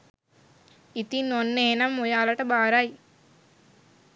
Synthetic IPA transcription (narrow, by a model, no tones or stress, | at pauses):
it̪inːonːeenɐmːojaːlɐʈəbaːɾaj